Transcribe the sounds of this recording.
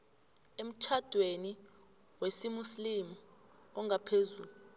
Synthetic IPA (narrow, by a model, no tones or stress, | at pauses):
em̩t͡ʃʰad̥ʱweni | wesimuslimu | ɔŋɡʱapʰezuːlu